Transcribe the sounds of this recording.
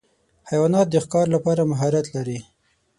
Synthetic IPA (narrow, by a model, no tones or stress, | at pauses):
hajwɑnɑt̪̚d̪əxkɑɾlapɑɾamaɦɑɾat̪laɾi